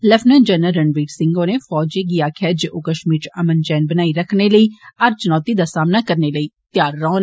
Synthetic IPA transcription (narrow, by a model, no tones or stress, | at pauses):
ləfʰnənd͡ʒənəɾəɳʋiːʈsɪ̃ŋɡoːneːfɔːd͡ʒeːɡiaːkʰɛːd͡ʒʔoːkəʃmiːɾt͡ʃəmənd͡ʒɛːnbənaːiɾəkʰneːləiːaɾt͡ʃənɔːt̪iːd̪aːsaːmnaːkəɾneːləiːt̪jaːɾːɔːn